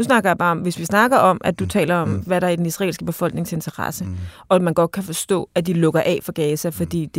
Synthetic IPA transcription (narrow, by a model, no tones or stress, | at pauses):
usnɑ̈ɡ̥ɐjɑ̈b̥ɑ̈ːɒ̽mʋe̝sʋisnɑ̈ɡ̥ɐʔɒ̽mʔæd̥ut͡sʰɛ̰ːlɐɒ̽mʋæɾɑ̈æd̥enisʁɑḛːlsɡ̥əb̥e̝fɒ̽lɡ̥ne̝ŋse̝nt͡sʰɐʁɑ̰səʔɒ̽æmænɡ̥ɒ̽d̥̚kʰæfɒ̽sd̥ɔ̰̽ːæd̥ilɔ̽ɡ̥ɐʔɛ̰fɒɡ̥ɛːsæfɒ̽d̥ḭːd̥e